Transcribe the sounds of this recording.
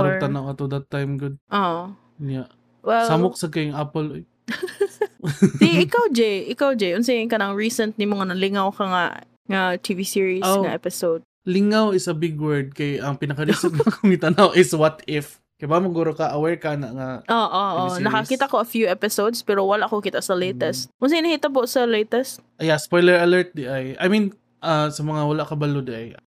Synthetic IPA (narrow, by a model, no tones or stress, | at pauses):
ɾt̪ɐnawɐt̪od̪ɐt̪ːajmɡʊd̪̚ʔo | ɲa | wɛlsamok̚sɐɡkɐjŋapəloj | diʔɪkawd͡ʒɛjʔɪkawd͡ʒɛjʔʊns̬ɛɪŋkɐnɐŋɹiːsɛnt̪̚nɪmoŋɐnɐlɪŋawkɐŋa̰ʔ | ŋɐt̪ʰivisiɹisoŋɐʔɛpɪsowd̪̚ | lɪŋawɪsɐbɪɡwɛɹd̪̚kɐjʔɐŋpɪnɐkɐɾisoɡ̚nkʊmit̪ɐnawʔɪswɐt̪ɪf | kɪbamɐɡuːɾokaʔɐwɛɹkanɐʔŋɐoːʔoʔonɐkɐkiːt̪ɐkoɐfjuʔɛpɪsowd̪spɛɾowɐlaʔkokɪt̪asɐlejt̪ɛst̪̚ʔʊnsɛjnɐhiːt̪ɐbosɐlejt̪ɛst̪̚ | jaspojlɛɹɐlɛɹt̪̚d̪ɪʔajʔɐ̰jmĩn | ʔasɐmɐŋawɐlaʔkɐbɐlod̪ɪʔɐj